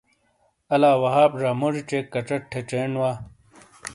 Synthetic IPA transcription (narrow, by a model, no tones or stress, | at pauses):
ɐlaːwɐɦaːpʐaːmoʐit͡ɕeːkːɐʈ͡ʂɐʈʈʰːeʈ͡ʂenwaː